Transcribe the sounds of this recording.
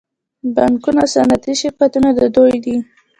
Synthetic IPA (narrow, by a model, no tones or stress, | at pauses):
baŋkunasanat̪iʃekat̪unad̪əd̪ojd̪i